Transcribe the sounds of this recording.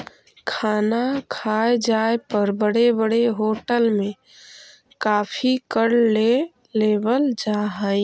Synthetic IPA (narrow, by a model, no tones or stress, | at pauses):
kʰaːnakʰaːed͡ʒaːepəɾbəɽebəɽeɦoːʈəlmẽ | kaːpʰikəɽle | leːbəld͡ʒaːɦə̃